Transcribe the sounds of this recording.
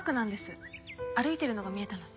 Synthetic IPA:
kɯ̟nãnd̪e̞sɨaɾɯ̟it̪e̞ɾɯ̟no̞ɡamʲie̞t̪ano

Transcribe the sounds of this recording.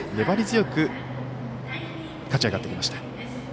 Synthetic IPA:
ne̞baɾʲizɨjo̞kɯ̟ | kat͡ɕiaɡat̪ːekʲimaɕi̥t̪ḁ

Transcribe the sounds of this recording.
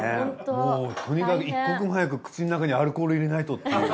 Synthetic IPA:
emoːt̪ʰo̞ɲ̟ikakɯikːakɯ̃ɦajak̬ɯ̟kɯ̥t͡ɕinonakaɲ̟iaɾɯ̟koːɾɯ̟iɾe̞nait̪ot̪ːa

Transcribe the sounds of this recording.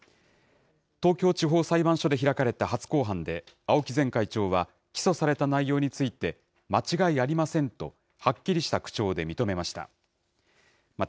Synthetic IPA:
t̪o̞ːkʲo̞ːt͡ɕiɦo̞ːsaibãɰ̃ɕo̞d̪e̞çiɾakaɾe̞t̪aɦat͡sɨ̥ko̞ːɦãnd̪e̞ | ao̞kʲizẽ̞ŋkait͡ɕo̞ːβa | kʲi̥so̞saɾe̞t̪anaijo̞ːɲ̟it͡sɨit̪e̞ | mat͡ɕiɡaiaɾʲimasẽ̞nt̪o̞ | hakʲːiɾʲiɕi̥t̪akɯ̟̥t͡ɕo̞ːd̪e̞mʲit̪o̞me̞maɕi̥t̪a̰ | m

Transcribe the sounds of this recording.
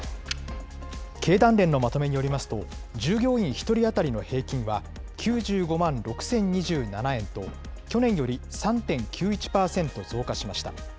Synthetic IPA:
kʰe̞ːd̪ãnɾẽ̞nːo̞mat̪o̞me̞ɲ̟ijo̞ɾʲimasɨ̥t̪o̞d͡ʑɨːɡʲo̞ːĩɰ̃çi̥t̪o̞ɾʲiat̪aɾʲino̞he̞ːkʲĩɰ̃βa | kʲʰɨːʑɨːɡo̞mãnɾo̞kɯ̟̥sẽ̞ɲ̟ɲiʑɨːnanaẽ̞nt̪o̞ | kʲo̞nẽɰ̃jo̞ɾʲisãnt̪ẽ̞ŋkʲʰɨːit͡ɕi̥paːsẽ̞nt̪o̞zo̞ːkaɕimaɕi̥t̪a̰

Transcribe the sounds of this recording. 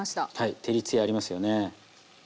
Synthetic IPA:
aɕi̥t̪ahait̪ʰe̞ɾʲit͡sɨiaɾʲimasɨjo̞ne̞

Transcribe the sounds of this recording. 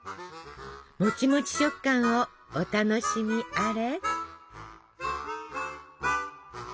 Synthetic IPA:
mot͡ɕimot͡ɕi̥ɕɨkːãɰ̃oː | t̪ano̞ɕimʲiaɾe

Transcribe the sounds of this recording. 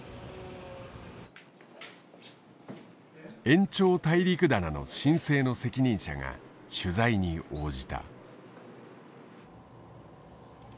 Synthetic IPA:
ẽ̞ɲt͡ɕo̞ːt̪aiɾʲikɯ̟d̪anano̞̰ɕĩɰ̃se̞ːno̞se̞kʲiɲ̟ĩɰ̃ɕa̰ŋa̰ | ɕɨzaiɲ̟io̞ːd͡ʑit̪a̰

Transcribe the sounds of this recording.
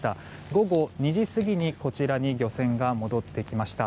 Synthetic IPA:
t̪a | ɡo̞ɡo̞ɲ̟iʑisɨɡʲiɲ̟iko̞t͡ɕiɾaɲ̟iɡʲo̞sẽ̞ŋɡamo̞d̪o̞t̪ːe̞kʲimaɕi̥t̪a

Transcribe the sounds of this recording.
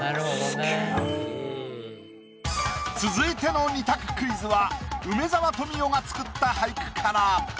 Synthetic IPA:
t͡sɨzɨit̪e̞no̞nʲit̪akɯ̟̥kɯ̟izɨβaɯ̟me̞zaβat̪o̞mʲijo̞ɡat͡sɨ̥kɯ̟t̪ːahaikɯ̟̥kʰaɾa

